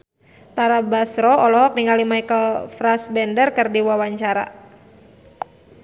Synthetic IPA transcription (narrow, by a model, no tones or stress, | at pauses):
t̪aɾabasɾɔɔlɔɦɔk̚niŋalimajkəlfɾasbɛndərkɨrdiwawaɲt͡ʃaɾa̰